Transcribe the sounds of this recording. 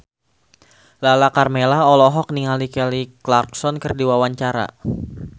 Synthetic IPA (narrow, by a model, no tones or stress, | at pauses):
lalakarmelaɔlɔɦɔk̚niŋalikɛliklark̚sɔnkərdiwawaɲt͡ʃaɾa̰